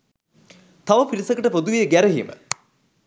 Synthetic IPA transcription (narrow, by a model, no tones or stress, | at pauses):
t̪ɐʋɐpiɾisɐkəʈəpod̪uʋijəɡæɾəɦḭmə̰